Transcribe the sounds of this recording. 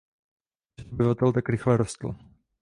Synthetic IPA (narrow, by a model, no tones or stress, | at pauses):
obɪvat̪ɛlt̪akɾɪxlɛɾost̪l̩